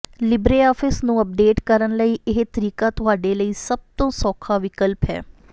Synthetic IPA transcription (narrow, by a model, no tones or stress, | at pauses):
lɪbɾeːaːfʰɪsnũːəp̚ɖeːʈkəɾənləiːʔɪɦet̪əɾiːkaːt̪ʊɦaːɖeːləiːsəb̚t̪õːsɔːkʰaːʋɪkəlpɦɛ̰ː